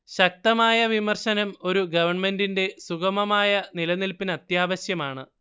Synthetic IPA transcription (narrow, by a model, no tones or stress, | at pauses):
ɕɐk̚t̪ɐmaːjɐʋimɐrɕɐnɐmo̞ɾuɡɐʋɐrɳme̞ndinde̞suɣɐmɐmaːjɐnilɐnilpinɐt̪jaːʋɐɕjɐmaːɳɨ